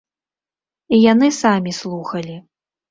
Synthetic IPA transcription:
ijanɨsamʲislˠuxɐlʲi

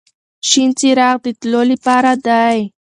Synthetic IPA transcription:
ʃint͡siɾaqd̪it̪lolipaɾad̪aj

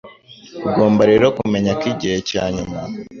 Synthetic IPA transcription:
uɡo̞ːmbaɾe̞ɾo̞kume̞ɲakiɟihe̞caːɲuma

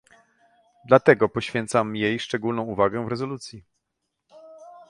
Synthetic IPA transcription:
d̪lat̪ɛɡɔpɔɕfʲjɛnt̪samjejʂt͡ʂɛɡulnɔ̃w̃uvaɡɛ̃vɾɛzɔlut̪sʲji

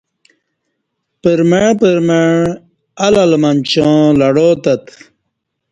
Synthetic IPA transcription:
pəɾmeɻpəɾmeɳ | ɐlɐlmɐnt͡ɕõːlɐɽoːt̪ɐt̪

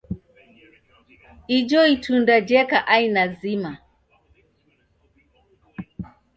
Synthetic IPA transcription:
id͡ʒɔitundad͡ʒɛkaʔainazima

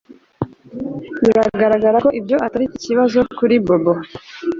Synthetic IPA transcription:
βiɾaɡaɾaɡaɾako̞ʔibjo̞ʔataɾiciciβazo̞kuɾibobo

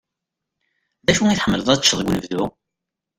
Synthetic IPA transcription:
ðæʃuiθħəmːələðˤæt͡ʃːəðˤɡʷnəvðu

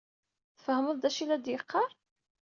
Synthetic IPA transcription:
θəfəhəməðˤd̪æʃilæd̪jəqʰːɑɾˤ

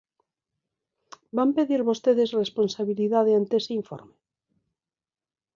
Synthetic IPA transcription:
bampe̞ðiɾβo̞st̪eðezresponsaβiliðaðeant̪eeseiɱfo̰ɾme

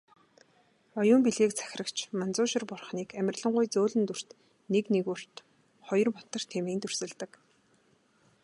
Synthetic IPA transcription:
ɔjʊːmpiɮɣeːkt͡sʰæ̥xʲrə̆kt͡ɕʰmant͡sʊːʃɪ̆rpʊrχniːkæmʲɪ̆rʲɮə̆ɴɢʊjt͡soːɮɘ̆nt̪ur̥t̪ | neknekur̥t̪ | χɔjɞ̆rpɔt̪ə̆r̥t̪ʰemeːnt̪ɵr̥sɘ̆ɮt̪ə̆k

